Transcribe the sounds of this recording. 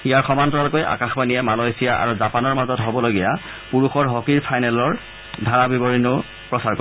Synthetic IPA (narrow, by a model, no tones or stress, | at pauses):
ijaɹxɔmantɔalʊkojʔa̰kaxbaniɛmalojsijaʔa̰ɹuzapanɔɹmazɔtɦobɔloɡija | puɹuxɔɹɦɔkiɹpʰajnɛlɔɹ | dʱaɹabibɔɹinʊ | pɹɔsaɹkɔ